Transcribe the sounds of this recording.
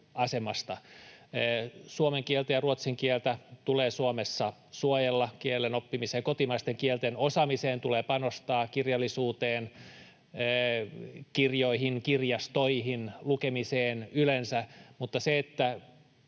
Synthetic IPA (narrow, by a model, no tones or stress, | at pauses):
ɑsemɑst̪ɑː | suomeŋkielt̪æjɑruot̪siŋkielt̪æt̪uleːsuomesːɑsuojelːɑkielːenopːimiseːŋkot̪imɑist̪eŋkielt̪enosɑmiseːnt̪uleːpɑnost̪ɑːkirjɑlːisuːt̪eːnː | kirjoiɦinkirjɑst̪oihinlukemiseːnylensæmut̪ːɑseet̪ːæ